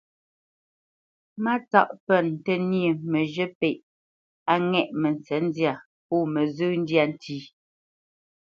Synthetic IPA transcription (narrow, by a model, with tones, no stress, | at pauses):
ma˦t͡sa̰˦˨ʔpɛ˦˨n˨tə˦nje˨mə˨ʒə˦pe˨ʔ | a˦ŋɛ˨ʔmɛ˨n˨t͡sɛ˨˦n˦dja˦˨ | pɔː˦˨mə˨zʉ˦n̩˦dja˦˨n̩˨tʰiː˦